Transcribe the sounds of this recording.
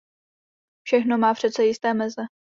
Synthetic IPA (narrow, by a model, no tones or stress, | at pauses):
fʃɛxno̞maːpr̥ɛt͡sɛjɪst̪ɛːmɛzɛ